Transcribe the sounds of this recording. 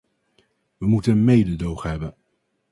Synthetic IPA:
ʋəmutəmejdədowχɦɛbən

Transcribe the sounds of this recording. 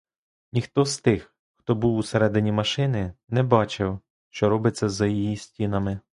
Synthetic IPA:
nʲixt̪ɔzt̪ɪx | xt̪ɔbuwuseɾɛd̪ɪnʲimɐʃɪnɪnɛbɑt͡ʃɪw | ʃt͡ʃɔɾɔbɪt͡sʲːɐzɐjijisʲtʲinɐmɪ

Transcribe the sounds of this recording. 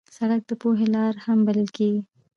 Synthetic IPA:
saɽak̚d̪əpoɦelɑɾhambaləlkeɡi

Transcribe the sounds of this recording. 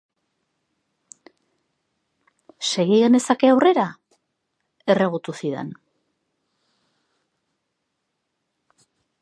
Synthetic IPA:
se̞ɣiɣene̞sake̞awre̞ɾa | e̞reɣ̞ut̪usiðe̞̰n

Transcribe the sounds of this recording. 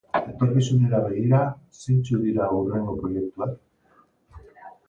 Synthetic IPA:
e̞t̪o̞ɾkisune̞ɾaβe̞ɣ̞iɾa | sint͡suðiɾaure̞ŋɡo̞pɾo̞je̞k̚t̪uak

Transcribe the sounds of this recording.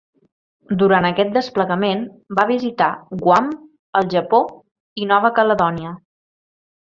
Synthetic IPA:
d̪uɾanəkɛt̪̚d̪əspləɣəmen | baβizit̪aɡwam | əlˠʒəpo | inɔβ̞əkələðɔniə

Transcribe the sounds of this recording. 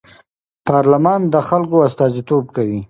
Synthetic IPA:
pɑɾlamɑnd̪əxalkoast̪ɑzit̪obkawi

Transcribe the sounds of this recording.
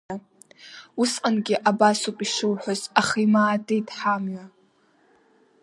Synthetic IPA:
a | usqʼanɡʲɪʔabasupʼiʃɨwħʷazaχijmaːdejtʰʼħamɥa

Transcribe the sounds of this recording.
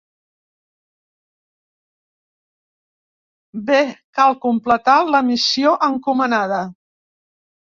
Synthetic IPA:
bekalˠkumplət̪aləmisioʔəŋkumənaðə

